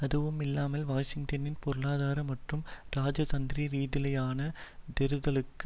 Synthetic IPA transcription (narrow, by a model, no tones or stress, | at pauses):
ɐðɯʋɯmɪlːaːmɐlʋaːʂɪŋɡ̚ʈɐnɪnpɔɾɯɭaːðaːɾɐmɐʈrɯmɾaːd͡ʒɐt̪ɐnd̪ɾiɾiːðɪlɐjaːnɐd̪ɛɾɯðɐlɯkː